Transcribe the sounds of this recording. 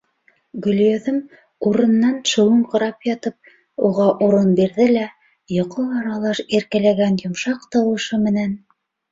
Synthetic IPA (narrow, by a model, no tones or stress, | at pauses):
ɡɵ̆lʲjoðɤm | uɾɤ̆nːɑnʃɤ̆wɤɴqɤ̆ɾɑpjɑt̪ɤp̚ | uʁɑʔuɾɤnbiɾðɘlæ | jŏqɤlˠɑɾɑlˠɑʃiɾkælæɡænjŏmʃɑqt̪ɤ̆wɤ̆ʃɤmɘ̆næn